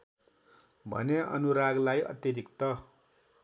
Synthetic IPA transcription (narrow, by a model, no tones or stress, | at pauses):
bʱʌ̰neʌ̰nuɾaɡlajʔʌ̰t̪jʌɾikt̪ʌ